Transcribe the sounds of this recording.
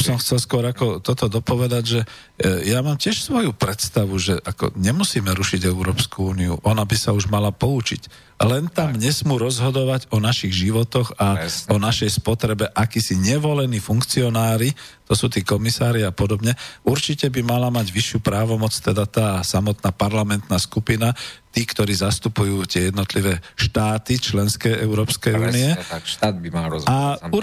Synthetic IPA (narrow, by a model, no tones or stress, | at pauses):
sɔmxt͡sɛlskʊɔɾakɔt̪ɔt̪ɔd̪ɔpɔʋɛd̪aɟʒɛ | jamaːmcɪɛʃsʋɔjupɾɛt̪st̪aʋuʒɛʔakɔ̰ɲɛmusiːmɛɾuʃiɟɛʊɾɔːpskuuːniṵʔɔnabisauʒmalapɔut͡ʃḭc | lɛnt̪amɲɛsmuːɾɔzɦɔd̪ɔʋaɟɔnaʃiɣʒiʋɔt̪ɔɣaɔnaʃɛjspɔt̪ɾɛbɛʔakiːsiɲɛʋɔlɛniːfuŋkt͡siɔnaːɾit̪ɔsuːt̪iːkɔmisaːɾiapɔd̪ɔbɲɛʔuɾt͡ʃicɛbimalamaɟʋiʃːjupɾaːʋɔmɔt͡st̪ɛd̪at̪aːsamɔt̪naːpaɾlamɛnt̪naːskupinat̪iːkt̪ɔɾiːzast̪upujuːt̪ɪɛjɛd̪nɔt̪liʋɛːʃt̪aːt̪it͡ʃlɛnskɛjʔɛʊɾɔːpskɛjuːniɛt̪ad̪̚bialau